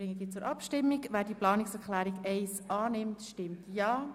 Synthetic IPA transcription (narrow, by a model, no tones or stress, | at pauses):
ɾɪŋːədiːt͡sʊːɾʔɑpʃtɪmːiɡʋæːɾdiəplɑːnɪksɛɾklæːɾiɡɛɪsʔɑːnɪmtʃtɪmtjɑː